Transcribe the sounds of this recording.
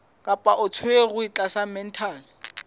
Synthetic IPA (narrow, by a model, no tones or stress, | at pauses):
kʼapʼaʔʊt͡sʰʊeɣʊit͡ɬʼasamɛn̩tʰaːl